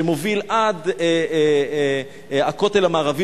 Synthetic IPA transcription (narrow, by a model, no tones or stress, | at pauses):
emovilʔad̪e | ako̞t̪e̞lhamaːʁavi